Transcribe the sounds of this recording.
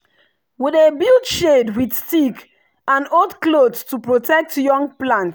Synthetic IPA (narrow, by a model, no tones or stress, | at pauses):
widebildʃedwidstik | ãnodklodstupɹotʰɛk̚tjɔ̃ŋɡ̚plãnt